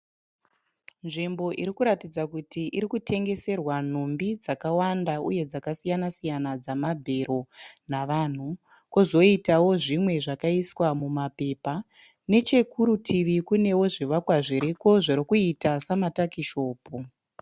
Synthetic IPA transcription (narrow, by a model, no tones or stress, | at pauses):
nʐimbo̞ʔiɾikuɾatid͡zakutʰiʔiɾikute̞ŋɡe̞se̞rwan̤umbid͡zakawandaṵje̞d͡zakasijanasijanad͡zamabʱe̞ɾo̞naʋan̤u | kozo̞itawo̞ʐimwe̞ʐakaiswamumape̞pa | ne̞t͡ʃe̞kuɾutʰiʋikune̞wo̞ʐiʋakwaʐiɾiko̞ʐeɾikuitasamatakiʃo̞ːpu